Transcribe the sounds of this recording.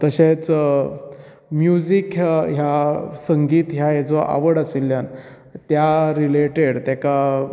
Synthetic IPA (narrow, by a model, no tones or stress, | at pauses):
t̪əɕẽt͡s | mjud͡zikɦjasəŋɡiːt̪ɦjajad͡zɔʔa̰ʋəɽəselːjan | t̪jaɾileʈeɽt̪jaka